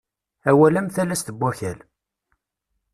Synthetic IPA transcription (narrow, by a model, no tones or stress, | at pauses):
æwælæmθælæst̪əbːæçæl